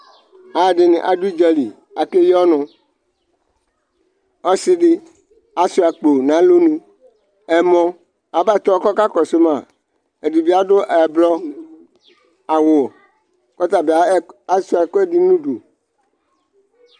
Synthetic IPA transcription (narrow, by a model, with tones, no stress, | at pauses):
a˨ɖɪ˨nḛ̃˨ʔa̰˨du˦d͡ʒɛ˦li˨ | a˨ke˦jɔ˦nɔ̃˨ | ɔ˦sɪ˦ɖɪ˦ | a˦su˦a˨k͡po˨nã˨˦lo˦nũ˦ | ɛ˨mɔ̃˦ | a˨ba˦˨t̪ɔ˦kɔ˦ka˦kɔ˨so˦mã˨ | e˨di˨bi˦a˦dʊ˦ʔblɔ˦ | a˨wo˨ | kɔ˦t̪a˨be˨a˨˦a˦su˦a˨kɔ˦ɛ˦di˦nũ˦do˨